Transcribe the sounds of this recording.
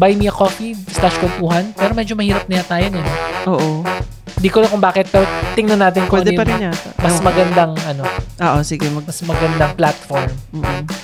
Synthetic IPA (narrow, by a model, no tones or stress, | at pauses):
bajmiɐkofislaʃkolp̪uːhɐnpɛːɾomɛːd͡ʒomɐhiːɾɐp̚nɐjat̪aːjonɐnoʔoːʔo | ɪnd̪iːkolɐkʊŋbaːkɛt̪̚pɛːɾot̪ɪŋnɐnaːt̪ɪnkwɛɐnɛjpɐɪamɐsmɐɡɐnd̪aŋʔɐno̞ʔoːʔosiɡɛɐmɐsmɐɡɐnd̪aŋplat̪foɹm̩ː